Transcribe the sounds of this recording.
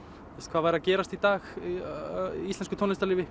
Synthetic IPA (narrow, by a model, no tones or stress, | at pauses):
ɛskʰvaːvajɾacɛːɾast̪it̪aːx | ist̪ɛnskʏt̪ʰɔnlɪst̪alɪːvɪ